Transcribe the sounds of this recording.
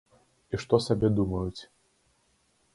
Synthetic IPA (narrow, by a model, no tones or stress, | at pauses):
iʂt̪ɔsabʲɛd̪umɐjut͡sʲ